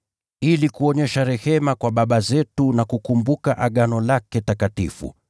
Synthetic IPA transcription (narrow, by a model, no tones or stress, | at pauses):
ilikuɔɲɛʃaɾɛhɛmakwaɓaɓazɛtunakukumbukaʔaɠanɔlakɛtakatḭfṵ